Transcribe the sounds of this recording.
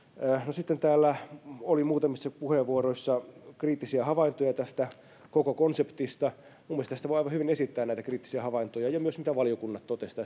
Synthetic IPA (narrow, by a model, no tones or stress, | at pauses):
nosit̪ːent̪æːlːæolimuːt̪ɑmisːɑpuheʋʋuoɾoisːɑkriːt̪ːisiæhɑʋɑint̪ojɑt̪æst̪æ | kokokonsept̪ist̪ɑ | mumːest̪ɑsit̪æʋojɑiʋɑhyʋinesit̪ːæːnnæit̪ækriːt̪ːi̥siæhɑʋɑint̪ojɑjɑmyøsmit̪æʋɑlijokunːɑt̪t̪ot̪est̪ɑ